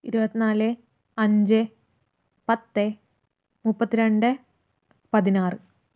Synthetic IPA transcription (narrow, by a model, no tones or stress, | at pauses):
iɾubɐt̪ːinaːlɨ | ɐɲd͡ʑɨ | pɐt̪ːɨ | mupːɐt̪ːiɾeɳɖɨ | pɐðinaːrɨ